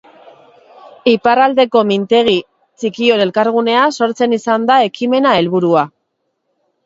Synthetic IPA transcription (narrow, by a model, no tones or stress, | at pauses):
iparald̪e̞ko̞mint̪e̞ɣ̞i | t͡sikio̞ne̞lkaɾɣ̞une̞aso̞ɾt͡se̞nisand̪ae̞kime̞nae̞lβuɾua